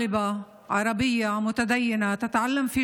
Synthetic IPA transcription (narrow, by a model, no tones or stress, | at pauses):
ɪba | ʕɑɾˤɑbɪjːamʊt̪ad̪ajːɪnat̪at̪ʕalːamfi